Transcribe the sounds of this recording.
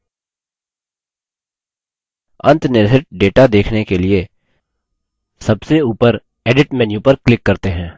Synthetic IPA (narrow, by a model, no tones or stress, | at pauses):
ɐ̰̃nt̪nɪɾd̪ʱɪʈ̚ɖeːʈad̪eːkʰnekelie | sɐbseuːpəɾ | eːɖɪʈmɛ̃ːnjupəɾklɪkːɐɾt̪eɦɛ̃ː